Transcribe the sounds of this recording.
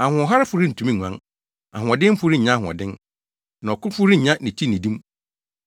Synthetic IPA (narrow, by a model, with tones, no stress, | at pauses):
a˨hʊ̃˨ɔ˨ɦa˦ɾɪ˦fʊ˨˦ɾi˦n̩˨tʰu˨˦mĩ˦ŋʷ˨ã̰˦n | a̰˨ɦʊ̃˨ɔ˨dɪ̃˦m̩˦fʊ˦ɾi˦˨ɲã˦˨ɔ̰˨dɪ̃˦n | nã˨ɔ˨kʊ˦fʊ˦ɾi˦˨ɲã˦nĩ˨t͡ɕʰi˦nĩ˨dĩ˦m˦